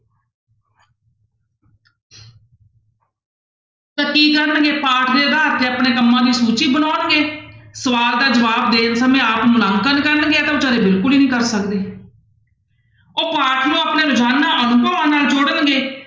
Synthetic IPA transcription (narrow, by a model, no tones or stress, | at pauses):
t̪ãːkiːkəɾənɡeːpaːʈʰd̪eːd̪aːət̪ːeːəpɳeːkəmːãːd̪iːsuːt͡ʃiːbənaːnɡeːsəʋaːld̪aːd͡ʒəʋaːb̚d̪eːnsəmẽːaːpmʊlãŋkənːkəɾənɡeːaːt̪eːʊt͡ʃaːd̪eːbɪlkʊliːnĩːkəɾsəkd̪eː | oːpaːʈʰlõːəpneːlʊd͡ʒaːnːãːənupəãːnaːld͡ʒʊɽənɡeː